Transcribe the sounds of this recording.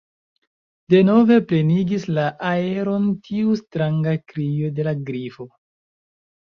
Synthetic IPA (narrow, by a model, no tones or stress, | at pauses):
d̥e̞no̞ve̞ple̞niɡislaʔae̞ɾo̞ntʰiustɾaŋɡakɾijo̞de̞laɡɾifo̞